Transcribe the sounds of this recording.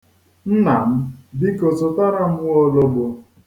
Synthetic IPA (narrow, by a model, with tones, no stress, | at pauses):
n̩˦na˨m̩˦bi˦ko˨so˨ta˦ɾa˦m̩˦wɔ˦lo˦bo˨